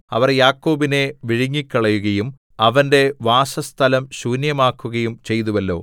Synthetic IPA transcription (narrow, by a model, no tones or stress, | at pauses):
ɐʋɐrjaːkːo̞ːbine̞ʋiɻiŋːikːɐɭɐjuɣɐjum | ɐʋɐnde̞ʋaːsɐst̪ʰɐlɐmɕuːnjɐmaːkːuɣɐjumt͡ɕe̞jt̪̬uʋɐlːo̞̰ː